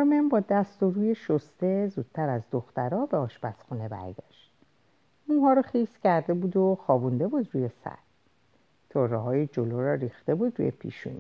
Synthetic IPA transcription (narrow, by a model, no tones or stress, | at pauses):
ɔɾmembɒːd̪æst̪oɾuːjeʃost̪e̞zuːd̪̥̚t̪ʰæɾæzd̪oxt̪æɾɒːbeɒːʃbæsxune̞bæ̰ɾɡæ̰ʃt̪ | munɦɒːɾɒːχiscʰæɾd̪e̞buːd̪oxɒːbund̪e̞bud̪ɾuːjesæ̰t̪ | t̪ʰorɛɦɒːjed͡ʒoloɾɒɾiːxt̪e̞buːd̪ɾṵjepʰḭʃṵn